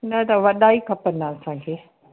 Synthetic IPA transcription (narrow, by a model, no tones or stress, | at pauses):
nɐt̪ɐʋɐɗaːikʰɐpənaɐsãkʰeː